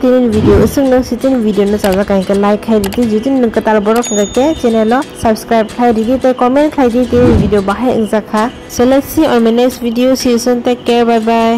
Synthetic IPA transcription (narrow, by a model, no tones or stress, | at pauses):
tininbʱidijoɯsɯŋnɔsitinbʱidijonɯzazakaɦikɛlajkʰːajdidizutinɯkɯtalbɔɹɔkʰɡajkɛt͡ʃɛnɛlɔsabskɹajb̚kʰlajdiditajkɔmɛntkʰlajditininbʱidijobaɦɛḭŋzakʰa | sɔlɛksiɔmɛnasbʱidiosisɔntakɛɹbajba